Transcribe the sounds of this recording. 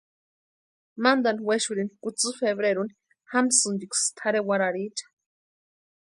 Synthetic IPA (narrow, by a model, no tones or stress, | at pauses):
mand̪anweʃuɾinikut͡sɨfeβɾeɾun | hamsɨnd̪ikst̪ʰaɾewaɾaɾit͡ʃḁ